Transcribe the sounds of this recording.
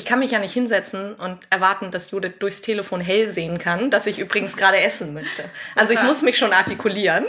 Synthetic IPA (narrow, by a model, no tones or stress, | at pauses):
ʔɪçkʰanmɪçjaːnɪçthɪnzɛt͡sn̩ʔʊntʔɛɐvaɐtn̩d̥asjuːdɪt̚d̥ʊɐçstʰeːləfoːnɦɛlzeːənkʰand̥asɪçʔyːb̥ʁɪɡŋ̩sɡ̥ʁaːɾəʔɛsn̩mœçtəʔalzoɪçmʊsmɪçʃoːnaɐtikʰuliːʁən